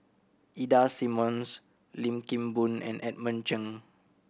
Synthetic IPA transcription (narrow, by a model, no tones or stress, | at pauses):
ʔidasĩmɔ̃ns | lĩmkĩmbũnɛ̰̃nʔɛt̚mə̃nt͡ʃə̃ŋ